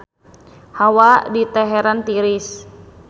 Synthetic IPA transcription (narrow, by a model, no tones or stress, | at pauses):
hawadit̪ɛɦɛɾant̪iɾis